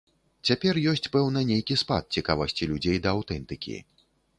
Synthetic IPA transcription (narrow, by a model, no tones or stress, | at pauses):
t͡sʲapʲɛrjɔsʲt͡sʲpɛwnɐnʲejkʲispa̰t̪̚t͡sʲikavɐsʲt͡sʲilʲud͡zʲejd̪ɐːwt̪ɛnt̪ɨkʲḭ